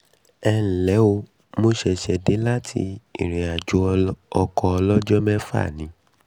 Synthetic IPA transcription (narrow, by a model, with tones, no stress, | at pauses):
ɛ˧˨lɛ˨˦o˧ | mo˦ʃɛ˧ʃɛ˧de˨˦la˦tʰḭ˧i˨ɾ̃ĩ˨a˨d͡ʒo˨˦ɔ˧kɔ˧ɔ˧lɔ˦d͡ʒɔ˦mɛ˦fa̰˦˨nĩ˨˦